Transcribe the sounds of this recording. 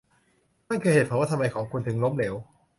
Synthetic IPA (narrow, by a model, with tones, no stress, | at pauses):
na˥˩ŋkʰɯː˧heː˨˩ɔː˨˩˦waː˥˩a˧mːa˧jkʰɔː˩˦ŋkʰu˧nt̪ʰɯ˧˦ŋlo˦˥mleː˩˦w